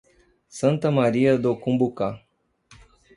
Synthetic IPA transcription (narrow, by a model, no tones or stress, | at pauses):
sɨnt̪əmaɾijad̪okumbuka